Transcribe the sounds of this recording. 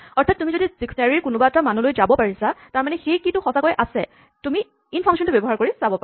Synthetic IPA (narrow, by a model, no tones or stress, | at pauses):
ɔɹtʰatːumizodisiksnaɹiɹkʊnʊbaɛtamanulojzabɔpaɹisataɹmanɛxejkitʊxɔsakɔjʔasɛ̰ | tumi | inpʰɔmeʃɔntubɔbɔɦaɹkoɹisabɔpa